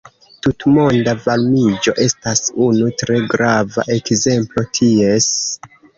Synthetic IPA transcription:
tutmo̞ndavalmid͡ʒo̞̰ʔe̞stasunutɾe̞ɡɾava̰ʔe̞kze̞mplo̞tʰie̞s

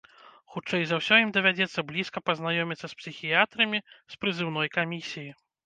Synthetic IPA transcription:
xut͡ʂɛjzɐwsʲɔjimd̪ɐvʲad͡zʲɛt̪sːɐblʲiskɐpɐznajɔmʲit̪sːɐspsʲixʲijat̪ɾɐmʲispɾɨzɨwnɔjkamʲisʲiji

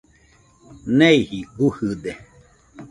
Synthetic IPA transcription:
neihiɡuhɨd̪e

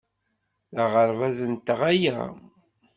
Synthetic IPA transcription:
ðəʁəɾvæzənt̪ːəʁæjæ̰

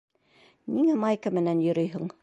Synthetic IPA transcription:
niŋæmɑjkamɘ̆nænjɵ̆ɾɵ̆jɦɤɴ

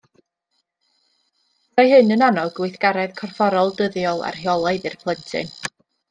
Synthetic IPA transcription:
ajhɨnənanɔɡʊɨθɡ̥aɾɛðkʰɔrfɔɾɔlˠdəðjɔlˠa̰rhjɔlˠaɨðɨrpʰlˠəntʰɨ̰n

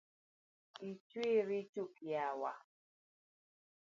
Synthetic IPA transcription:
it͡ʃwiɾit͡ʃukjawa̰

